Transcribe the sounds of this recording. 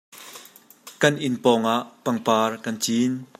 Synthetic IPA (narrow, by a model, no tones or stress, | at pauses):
kɐnʔɪnpɔːŋaʔpɐŋpaːrkɐnt͡siːn